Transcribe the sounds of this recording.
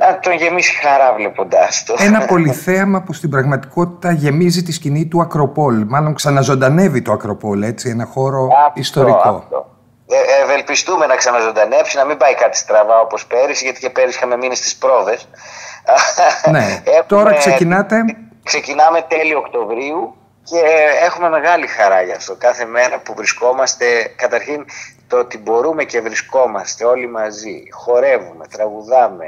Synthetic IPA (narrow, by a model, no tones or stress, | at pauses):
nɐt̪onʝe̞misxɐɾɐvlepond̪ɐst̪oenɐpo̞liθeɐmɐpust̪ibɾɐɣmɐt̪i̥ko̞t̪i̥t̪ɐʝe̞mizit̪iscinit̪uɐkɾo̞po̞lmɐlo̞ŋksɐnɐzo̞nd̪ɐne̞vit̪oɐkɾopo̞le̞t͡sie̞nɐxo̞ɾo̞ɐist̪oɾiko̰o̰ | evelpist̪ume̞nɐksɐnɐzo̞nd̪ɐne̞psinɐmimbɐikɐt̪ʰi̥st̪ɾɐvɐo̞po̞spe̞ɾisʝɐt̪icepeɾisxɐme̞minest̪i̥spɾo̞ve̞s | neet̪oɾɐkseinɐt̪e | kse̞cinɐme̞t̪e̞lio̞kt̪o̞vɾiu | ce̞exume̞me̞ɣɐlixɐɾɐʝɐːft̪o̞kɐθe̞me̞ɾɐpuvɾisko̞mɐst̪e̞kɐt̪ɐɾçint̪oot̪ibo̞ɾume̞ce̞vɾisko̞mɐst̪e̞o̞limɐzixo̞ɾe̞vume̞t̪ɾɐɣuðɐme̞